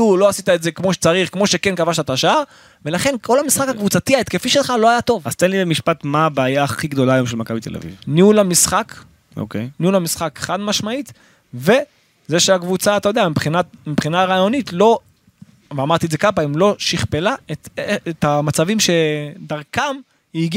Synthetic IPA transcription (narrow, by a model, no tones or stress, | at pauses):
uloasit̪aetze̞kmo̞ʃe̥t͡saʁiχkmo̞ʃekenkavaʃt̪at̪aʃaaʁ | ve̞laχe̞nkʰo̞lamisχakakvut͡sat̪iaet̪kefiʃelχalo̞ajat̪o̞vaz̥t̪enlibemiʃpat̪mabaːjaːχiɡd̪o̞laːjomʃelmakabit̪ela̰vḭvniulamisχak | o̰kejniulhamisχakχanmaʃmait̪ | ve̞ | zeʃeakvut͡saːt̪ajo̞deamipχinatmipχinaʁaːjo̞nit̪lo̞ | veamaʁt̪iezekapaimlo̞ʃiχpe̞laet̪et̪amat͡savimʃe̞d̪aʁkam | iɡ